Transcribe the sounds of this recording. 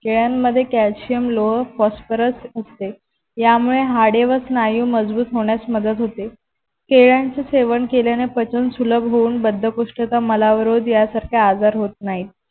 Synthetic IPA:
keɭjanːəd̪ʱːjekælsijəmloɦəfɔsfəɾəsəst̪e | jamuɭeɦaɽeʋəsnajũːməd͡zbuːt̪ɦoɳjat͡sməd̪əd̪ɦot̪e | keɭjant͡seseʋəɳkeljanepət͡ɕənsuləbʱɦouːnbəd̪ʱːəkoʂʈət͡saməlaʋəɾod̪jasaɾkʰaad͡zaɾɦot̪̚naɦit̪̚

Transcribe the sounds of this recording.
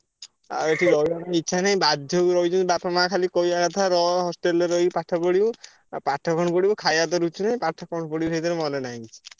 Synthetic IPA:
a̰eʈʰiɾɔjanaitːʃʰanaj̃bad̪ʱjɔwɾɔjd͡ʒunbapɔmãkʰalikojakat̪ʰaɾɔɦɔsʈeleɾɔjpaʈʰapɔɽiu | paʈʰːɔkɔɳ̃pɔɽibɔkʰajad̪ɔɾut͡ʃʰunaĩpaʈʰːakɔɳ̃pɔɽiusʰejt̪ɔɾemɔnenaɦĩt͡ʃʰi̥

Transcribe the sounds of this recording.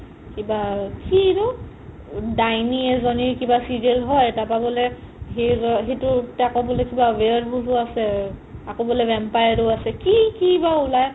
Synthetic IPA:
kibakiɹʊ | dajniɛzɔniɹkibasidelɦɔjtapabɔlɛ | ɦezɔɦetʊtakɔbɔlɛkibawɛɹbʱulʊasɛakobɔlɛbɛmpajaɹuasɛkikibaulaj

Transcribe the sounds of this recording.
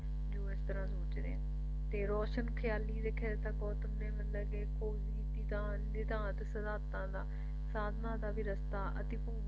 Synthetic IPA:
d͡ʑoːɪst̪ɐɾãzoːt͡ɕd̪ẽː | t̪eːɾɔːʃənxjaːliɾekʰed̪et̪ɐkoːt̪ɐmnẽʋɪlɐɡekʰoːzid̪it̪ã | d̪it̪aːãt̪ɐsɐzaːt̪ãːnd̪aː | saːd̪ʱnad̪aːbʱiɾɐst̪aʔɐ̰t̪ipu

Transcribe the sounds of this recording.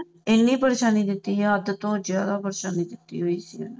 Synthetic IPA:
enːiːpəɾeːʃaːniːd̪ɪt̪ːiːɦɛəd̪t̪õːzjaːd̪aːpəɾeʃaːniːd̪ɪt̪ːḭːɦoiːsiɦən

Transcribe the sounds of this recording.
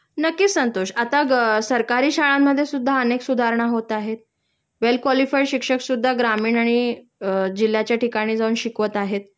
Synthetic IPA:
nəkːiːsənt̪oʂat̪asəɾkaɾiːɕaɭamːəd̪ʱːjesud̪ʱːaəneksud̪ʱaɾɳ̃aɦot̪aɦet̪̚ | ʋelkʋɔlifajɕikʂəksud̪ʱːaɡɾamiːɳaɽ̃i | d͡ʑil̤ːjat͡ɕjaʈikaɽ̃iːd͡zauːnɕikʋət̪aɦet̪̚

